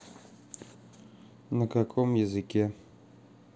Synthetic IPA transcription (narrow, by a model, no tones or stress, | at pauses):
nɐkakʰɔmjɛzɨkʲɛ